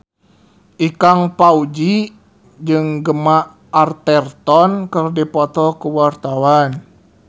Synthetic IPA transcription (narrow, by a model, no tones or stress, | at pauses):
ʔikaŋpaud͡ʒi | d͡ʒɨŋɡəmaː | rt̪ɛrt̪ɔnkərdipɔt̪ɔkuwart̪awan